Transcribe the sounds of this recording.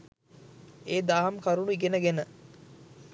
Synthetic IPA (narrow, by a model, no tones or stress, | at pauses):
eːd̪aːɦɐmkaɾunuiɡenəɡenə